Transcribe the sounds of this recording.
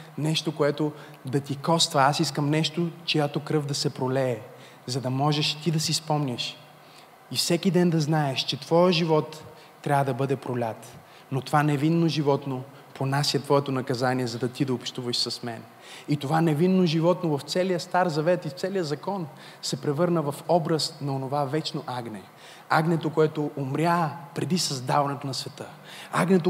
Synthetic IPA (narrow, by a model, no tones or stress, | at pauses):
nɛʃt̪okoɛt̪o | d̪ɐt̪ikɔst̪vɐasiskəmnɛʃt̪ot͡ʃojat̪okɾɤvd̪ɐsɛpɾolɛː | zɐd̪ɐmɔʒɛʃt̪id̪ɐsispɔmnʲəʃ | ifsɛkid̪ɛnd̪ɐznaɛʃt͡ʃɛt̪v̥ɔjəʒivɔt̪ː | ɾʲavəd̪ɐbɤd̪ɛpɾolʲat̪ | not̪ovanɛvinːoʒivɔt̪no | ponasʲjɐt̪vɔɛt̪onɐkɐzaniɛzɐd̪ɐt̪id̪ɐopʃt̪uvɐʃsɐsmɛ̰n | it̪ovanɛvinːoʒivɔt̪novɐft̪sɛlijəst̪aɾzɐvɛt̪ift̪sɛlijəzɐkɔn | sɛpɾɛvɤɾnəvɐfɔbɾəsnɐonovavɛt͡ʃnoʔaɡnɛ | aɡnɛt̪okoɛt̪oʔːmɾʲjapɾɛd̪isɐzd̪avɐnɛt̪onɐsvɛt̪ə | a̰ɡnɛt̪o